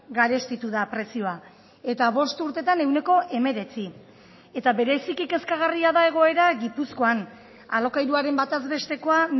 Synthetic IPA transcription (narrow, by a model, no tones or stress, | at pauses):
ɡaɾe̞st̪it̪uðapɾe̞sio̞a | e̞t̪aβo̞st̪uɾt̪e̞t̪ane̞wne̞ko̞ʔe̞me̞ɾe̞t͡si | e̞t̪aβe̞ɾe̞sikike̞skaɣ̞ariaðae̞ɣ̞o̞e̞ɾaɣipusko̞an | a̰lo̞kajɾuaɾe̞mbat̪azbe̞st̪e̞ko̞an